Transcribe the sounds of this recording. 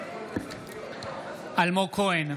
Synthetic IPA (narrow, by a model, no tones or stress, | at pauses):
almokʰoen